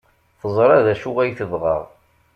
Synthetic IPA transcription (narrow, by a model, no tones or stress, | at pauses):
θəzˤɾˤɑðæʃuʁæjθəðʁəʁ